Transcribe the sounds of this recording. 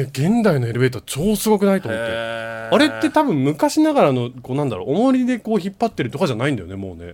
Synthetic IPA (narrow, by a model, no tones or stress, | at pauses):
ɡẽ̞nd̪aino̞e̞ɾɯ̟be̞ːt̪oat͡ɕo̞ːsɨɡo̞k̬ɯ̟nait̪o̞ːmot̪ːḛaɾe̞t̪ːe̞t̪abɯ̟̃mmɯ̟kaɕinaɡaɾano̞koːnãnd̪a̰ɾo̰ʔomo̞ɾʲid̪e̞ko̞ːçipːat̪ːe̞ɾɯ̟t̪okaʑanaĩnd̪ajonemo̞̰ːne̞̰